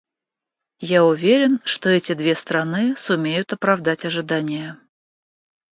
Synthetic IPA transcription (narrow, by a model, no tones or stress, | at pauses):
jaʊvʲeɾʲɪnʂt̪oɛtʲɪd̪vʲe̞st̪ɾɐnɨsʊmʲejʊt̪ɐpɾɐvd̪atʲɐʐɨd̪anʲɪjə